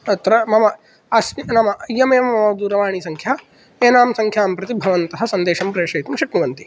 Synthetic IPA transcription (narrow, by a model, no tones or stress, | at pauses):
t̪ɾɐmɐmɐ | ɐsminɐmɐʔɐjːɐmeːmɐmɐmɐd̪uːɾɐʋaːɳ̃isɐŋkʰjaː | eːnaːmsɐŋkʰjaːmpɾɐt̪ibʱɐʋɐnt̪ɐɦɐ̆sɐnd̪eːʃɐmpɾeːʂɐjt̪ɐmʃɐkniʋɐnt̪i